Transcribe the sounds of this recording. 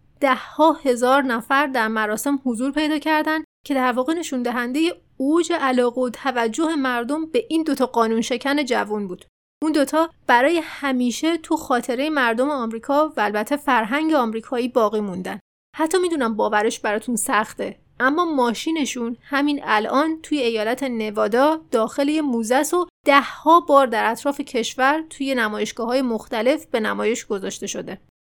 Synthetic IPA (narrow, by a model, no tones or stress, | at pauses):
d̪̥æhhɒːhe̞zɒːɾnæfæɾd̪æɾmæɾɒːse̞mhozuːɾpʰe̞jd̪ɒːcʰæɾd̪ænd̪cʰe̞d̪æɾvɒːɣe̞ne̞ʃund̪æɦænd̪e̞je̞ | od͡ʒe̞ʔælɒːɣeot̪ʰævæd͡ʒːo̞he̞mæɾd̪o̞mbe̞ʔiːnd̪ot̪ʰɒːɢɒːnunʃe̞cʰæne̞d͡ʒævunbuːd̪̥ | und̪o̞t̪ʰɒːb̥æɾɒːje̞hæmiːʃe̞t̪ʰuxɒːt̪ʰe̞ɾejemæɾd̪o̞meɒmɾiːkʰɒːvæːlbæt̪ʰːe̞fæɾɦæŋɟeɒːmɾiːkʰɒːiːbɒːɣiːmund̪æn | hæt̪ʰːɒːmiːd̪unæmbɒːvæɾe̞ʃbæɾɒːt̪ʰunsæxt̪e | ʔæmːɒːmɒːʃiːne̞ʃunhæminælʔɒːnt̪ʰuːjeːjɒːlæt̪ʰe̞ne̞vɒːd̪ɒːd̪̥ɒːxe̞lejemuːzæso̞d̪̥æhhɒːbɒːɾd̪æɾæt̪ʰɾɒːfe̞cʰe̞ʃvæɾt̪ʰuːje̞næmɒːje̞ʃɡ̥ɒːɦɒːjemoxt̪æle̞fb̥e̞næmɒːje̞ʃɡ̥o̞zɒːʃt̪e̞ʃo̞d̪e̞